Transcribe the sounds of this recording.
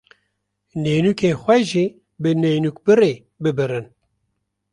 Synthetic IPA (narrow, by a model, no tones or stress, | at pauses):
neːnukeːxʷɛʒi | bɨneːnuk̚bɨɾeː | bɨbɨɾɨn